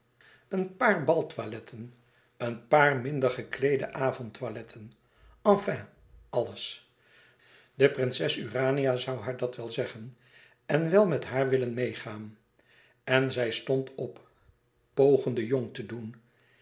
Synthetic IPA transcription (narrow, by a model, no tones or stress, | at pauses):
ənpaːɹbɑlˠtʋalɛtʰən | ənpaːɹmɪndəɹχəklejdə̰ʔaːvɔntʋalɛtʰən | ɑ̃fɛ̃ | ɑləs | dəprɪnsɛsyraːniazʌwɦaːɹdɑtʋɛlˠzɛχən | ɛnʋɛlˠmɛtɦaːɹʋɪlənmejχaːn | ɛnzɛjstɔntʰɔpː | owχəndəjoŋtədun